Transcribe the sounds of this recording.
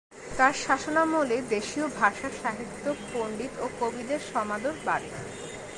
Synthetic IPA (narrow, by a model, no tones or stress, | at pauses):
t̪aɾʃaʃonamoled̪eʃiobʱaʃaɾʃaɦit̪ːopoɳɖit̪okobid̪eɾʃɔmad̪oɾbaɾe